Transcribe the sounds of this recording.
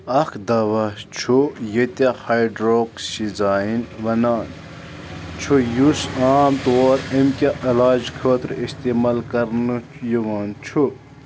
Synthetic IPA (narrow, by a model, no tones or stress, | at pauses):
ɐkʰd̪ɐʋɐt͡ʃʰujet̪ehajɖɾoːksizaːinʋɐnaːn | t͡ʃʰujusaːmt̪oːɾemkʲeʔɐlaːd͡ʒkʰəːt̪ɾist̪imalkɐɾnujiʋaːnt͡ʃʰu